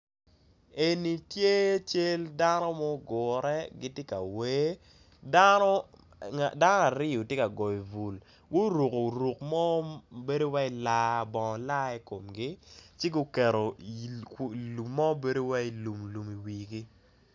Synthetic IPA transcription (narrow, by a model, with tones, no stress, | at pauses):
e˨ni˨tje˦t͡ʃe˦lda˦nɔ˦mɔ˦ɡʊ˨ɾɛ˦ɡɪ˦tje˦ka̰˨we˦ | da˦no˦˨ | da˦nɔ˦a˨ɾɪ˦o˨tje˦ka˨ɡɔ˨i˨vu˨l | ɡʊ˦ɾu˨ko˨ɾu˨kmɔ˦be˦do˦wa˦i˦la˦˨bɔ˨ŋɔ˨la˦ɛ˦ko˨mɡi˦t͡ʃɪ˦ɡo˦kɛ˨ɾo˨˦˨ | lu˨mːɔ˦be˦do˦wa˦i˦lu˨mlu˨mi˨wi˨ɡi˦